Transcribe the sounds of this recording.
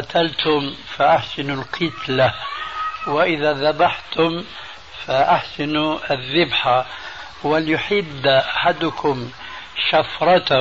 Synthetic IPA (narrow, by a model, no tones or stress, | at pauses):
ɑt̪ʰalt̪ʰʊmfaʔaħsɪnulqʰɪt̪la | wɪʔɪðaðabaħt̪ʊm | faʔaħsɪnuɪðːɪbħa | wɪljʊħɪd̪ːʔaħad̪ʊkʰʊm | ʃafɾˤɑt̪